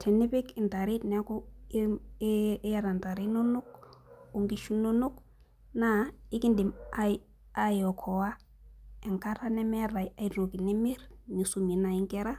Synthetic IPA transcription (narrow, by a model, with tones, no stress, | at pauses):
tʰe˨ni˦pi˦ki˨nta˨ɾi˦tnɛ˦ku˦ | ja˦ɾa˨nta˨ɾi˦no˦nu˦k̚u˨ŋɡi˦ʃu˦no˦nu˦k | na˦i˦ki˦ndi˨ma | a˦jɔ˨kʰɔ˨wa˦ | ɛ˨ŋka˦ɾa˦nɛ˦mɛ˦ɾa˨ja˨i˨ɾo˨ki˨ne˦mi˦ɾɲi˨su˦mi˨na˨i˦ŋkɛ˦ɾa˦